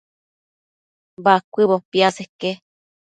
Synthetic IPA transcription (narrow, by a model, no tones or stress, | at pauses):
bakʷiβopiaseke